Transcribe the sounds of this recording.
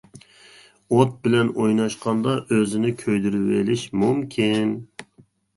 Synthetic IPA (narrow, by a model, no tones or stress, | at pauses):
ot̪̚bɪlɛnojnɑʃqʰɑnd̪ɑʔøzɪnɪkʲʰøjd̪yɾywelɪʃmumkʲʰin